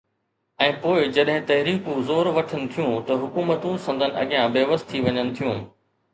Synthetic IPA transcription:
ɛ̃ːpoːɪd͡ʑɐɗɦɪ̃t̪ɐɦɾiːkũzoːɾʋɐʈʰənɪ̆t̪ʰijũt̪ɐɦʊkuːmət̪ũsɐ̃nd̪ʱənɪ̆ɐ̰ɡijãbeːʋəst̪ʰːiʋɐɲənɪ̆t̪ʰijũː

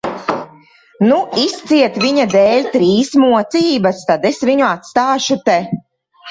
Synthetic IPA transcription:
nuist̪siɛt̪viɲad̪ɛːlʲt̪ɾiːsmuɔt̪siːbast̪ad̪ɛsviɲuat̪st̪aːʃut̪ɛ

